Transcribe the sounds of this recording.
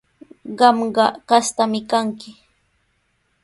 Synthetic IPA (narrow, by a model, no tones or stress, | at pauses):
ɢɑmɢɑkast̪amɪkaŋkɪ